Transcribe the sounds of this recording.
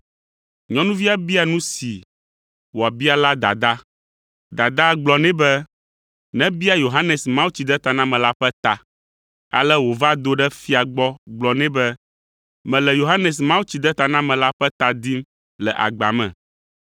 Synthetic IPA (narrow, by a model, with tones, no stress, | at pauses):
ɲɔ̃˦nũ˦vi˦a˦bi˦a˨nũ˦si˨ | wo˨a˨bi˦a˨la˦d̪a̰˨d̪a˦ | d̪a˨d̪a˦ɡ͡blɔ˨nɛ̃˦bɛ˦ | nɛ̃˦bi˦a˦jo˨ɦa˦nɛ˨smã˦wu˦t͡ɕi˨d̪ɛ˦t̪a˨nã˦mɛ̃˨la˦ɸɛ˦t̪a˨ | a̰˨lɛ˦wo˨va˦d̪o˦ɖɛ˦fi˦a˨ɡ͡bɔ˦ɡ͡blɔ˨nɛ̃˦bɛ˦ | mɛ̃˨lɛ˨jo˨ɦa˦nɛ˨s̬mã˦wu˦t͡ɕi˨d̪ɛ˦t̪a˨nã˦mɛ̃˨la˦ɸɛ˦t̪a˨d̪i˦m | lɛ˨ʔa̰˨ɡ͡ba̰˨mɛ̰̃˨